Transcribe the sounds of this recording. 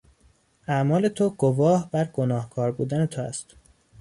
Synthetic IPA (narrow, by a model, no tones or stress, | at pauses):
ʔæmɒːle̞t̪ʰoɡ̥ovɒːhbæɾɡ̥o̞nɒːhkʰɒːɾbuːd̪æne̞t̪ʰoæ̰st̪